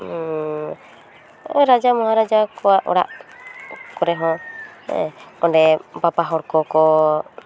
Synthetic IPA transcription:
ɾad͡ʒamɔɦãɾad͡ʒakɔaʔɔ̰ɽa̰ʔ | kɔɾɛɦɔ̃ɛ̰ɔɳɖɛpapaɦɔɽkɔkɔ

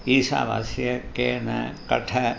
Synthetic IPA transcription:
iːsa̰ːʋa̰sjɐkeːnɐ̰kɐʈʰɐ

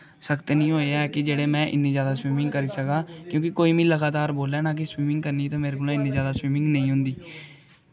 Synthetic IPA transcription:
səkt̪eːnĩːɦoːeaɛkɪd͡ʒeːɽeːmɛ̃ːʔɪ̰nːĩːzjaːd̪aːswiːmɪ̃ŋɡkəɾiːsəkaːkjõːkɪkoːiːmĩːləɡaːt̪aːɾboːlɛːnãːk̬ɪswiːmɪ̃ŋɡ̚kəɾniːt̪ãːmeːɾekʊːlãːɪnːĩːzjaːd̪aːswiːmɪ̃ŋɡnə̃ĩːɦʊ̃nd̪iː

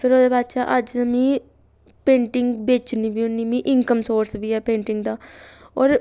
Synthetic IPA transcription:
pʰɪɾoːd̪eːbaːd̪t͡ʃaːʔəd͡ʒəmĩː | pẽːɳʈɪŋɡbeːt͡ʃniːbiːʊnːiːmĩːʔɪŋkəmsoːɾsbiːɛːpẽːɳʈɪŋɡd̪aː | ɔːɾ

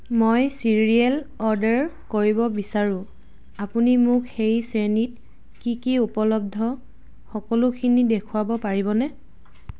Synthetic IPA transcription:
mojsiɹiɛlɔɹdɛɹkoɹibɔbisaɹʊ̃ | apunimʊkxejsenit̚ | kikiupɔlɔb̚dʱɔ | xɔkɔlʊkʰinidekʰʊabɔpaɹibɔnɛ

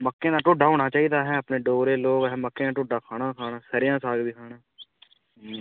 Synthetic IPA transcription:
məkːeːnaːʈʊːɖaːɦoːɽ̃aːt͡ʃaːiːd̪aːɦɛːəpneːɖoːɾeːloːɡɦɛːməkːeːnãːʈʊːɖaːkʰaːɽãːkʰaːɽaːsəɾɪjãːsaːɡbiːkʰaːɽaː

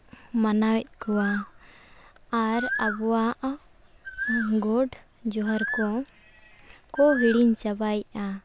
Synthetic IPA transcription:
manawɛt̪̚kɔwa | ɾabɔwaʔ | ɡɔɖ | d͡ʒɔɦaɾkɔ | kɔɦiɽiɲt͡ʃabaja

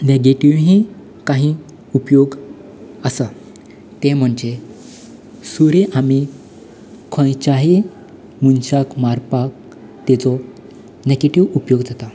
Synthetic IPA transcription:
neɡeʈiʋɦĩ | kaɦĩ | upjoɡ | əsa | t̪ẽm̤əɳd͡ʑe | suɾẽʔami | kʰɔ̃jt͡ɕaɦi | munɕakmaɾpak̚ | t̪ɛt͡sɔ | neɡeʈiʋupjoɡd͡zat̪a

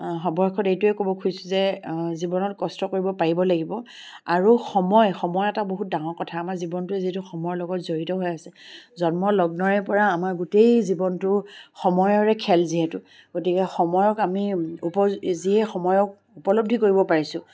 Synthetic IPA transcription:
ɦɔbɔɹkʰɔtejtʊɛkobɔkʰujsʊzɛzibɔnɔtkɔstɔkoɹibɔpaɹibɔlaɡibɔ | aɹuxɔmɔjxɔmɔjɛtaboɦut̚daŋɔɹkɔtʰaːmaɹzibɔntʊɛziɛtuxɔmɔjɔlɔɡɔtzoɹitɔɦojasɛzɔnmɔlɔɡ̚nɔɹɛpɔɹaːmaɹɡutejzibɔntʊxɔmɔjɔɹɛkʰɛlziɦɛtʊ | ɡ̥otikɛxɔmɔjɔkamiupɔziɛxɔmɔjɔk̚ | upɔlob̚dʱikoɹibɔpaɹisʊ̃

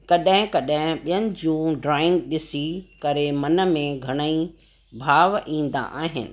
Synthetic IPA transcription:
kɐɗɦɪ̃kɐɗɦɪ̃ɓijənɪ̆d͡ʑũːɖɾaːɪ̃ŋɡɗɪsikɐɾemɐnə̆mẽɡʱɐɽ̃əi | bʱaːʋʔĩːn̆d̪a̰ʔaːɦɪ̰nɪ̰̆

